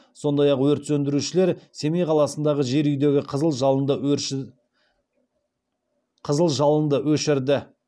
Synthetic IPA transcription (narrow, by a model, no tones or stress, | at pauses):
so̞nd̪ɑjɑqwɵɾt̪sɵnd̪ɪɾuʃɪle̞ɾse̞mejqʰɑlˠɑsənd̪ɑʁəʒe̞ɾʏjd̪e̞ɡʲɪqʰəzəlˠʒɑənd̪ə | qʰəzəlˠʒɑlˠənd̪əwɵʃɪɾd̪ɪ